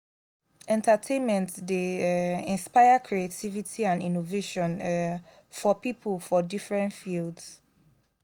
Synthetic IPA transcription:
ɛ̃ntatʰẽnmɛ̃ntdeĩnspaɪakʰɹietʰivitʰiãnĩnoveʃɔ̃n | fɔpipəlfɔdifɹɛ̃ntfilds

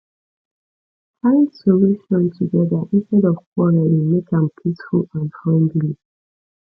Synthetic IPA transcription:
tʰãɪ̃ndsəluʃɔ̃ntʰuɡɛðəʔɪ̃nstɛɾɔv̥kʰwɔɹəlĩmekãmpʰisfulãnfɹãndli

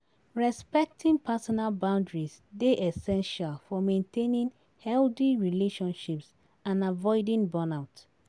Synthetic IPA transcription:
ɹɛspɛk̚tʰĩŋpʰasɔnalbãʊ̃ndɹisdeʔɛsɛ̃nʃalfɔmẽntʰẽnĩŋ | hɛlθiɹileʃɔ̃nʃips | ãnavɔɪdĩŋbɜnaʊt

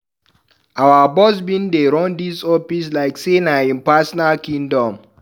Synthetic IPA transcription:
awabɔs̬bĩndeɾɔ̃ndisɔfis̬laɪksenaĩnpasɔnalkĩndɔ̃m

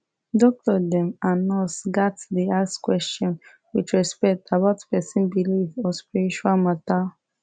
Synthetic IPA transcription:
dɔk̚tɔdɛ̃manɔsɡatdiaskwɛst͡ʃɔ̃n | wit͡ʃɹɛspɛk̚tabaʊtpɛsĩnbilivɔspiɹit͡ʃualmata

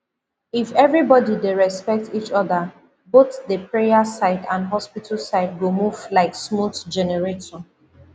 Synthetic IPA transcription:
ifɛvɹibɔdideɹɛspɛk̚tit͡ʃɔðə | boθdəpɹejasaɪdãnɦɔspitʰəlsaɪd̚ɡomuvlaɪksmutd͡ʒɛnɛɹetɔ̃n

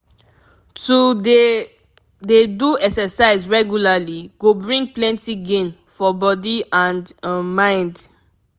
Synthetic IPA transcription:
tude | deduɛksəsaɪzɹɛɡjulaliɡ̥obɹĩŋɡ̚plɛ̃ntiɡẽn | fɔbɔdiãndmãɪ̃nd

